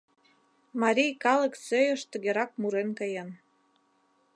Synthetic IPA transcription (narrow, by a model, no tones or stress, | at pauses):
mɑɾʲijkɑlə̆ksøjə̆ʃt̪ə̆ɣeɾɑk̚muɾenkəjən